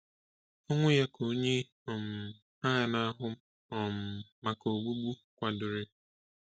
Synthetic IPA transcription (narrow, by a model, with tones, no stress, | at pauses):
ɔ˦ŋʷʊ˦ja˦kʰo˦ɲe˦ | ɔ˨m̩˨ | ha˦˨na˦ɦʊ˦ | ɔ˨m̩˨ma˨ko˨ɡ͡bu˦ɡ͡bu˦kʷa˨dʊ˨ɾɪ˦